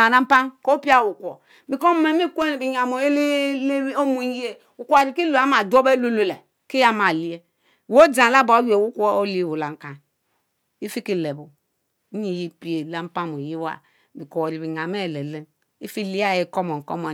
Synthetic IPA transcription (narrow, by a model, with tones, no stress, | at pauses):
a˨na˦m̩˦pa˦nko˦pi˦a˦˨wu˨kʷo˨ | bi˨ko˦me˨mi˦ke˦˨bi˨ɲa˨mo˨e˦li˦o˦mu˨˦ji˦e˦ | u˨kʷa˨ɾi˨ki˦lo˨a˦ma˨du˦o˦be˦lu˦lo˨le˨ | ki˦ja˦ma˨li˦je˦˨ | wo˦dã˨la˦ba˨˦je˨wu˦kʷo˦o˦li˦˨wu˨la˨ŋ˦ka˨n | i˦fi˦ki˦˨le˨bo˨˦ | i˨ji˦pi˦e˨la˦m̩˦pa˦mo˨ji˦wa̰˨ | bi˨ko˨ɾi˨bi˨ɲ˨a˨me˦˨le˨le˦n | i˦fi˦˨li˦a˦˨je˨ko˦mo˨ko̰˦mo˨